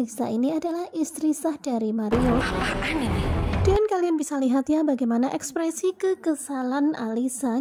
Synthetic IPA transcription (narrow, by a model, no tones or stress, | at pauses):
lisa̰iniadalahist̪ɾisahdaɾimaɾioaʔaninid̥aankalianbisaliɦat̪jabaɡajmanaʔɛkspɾɛsikəkəsalana̰lisa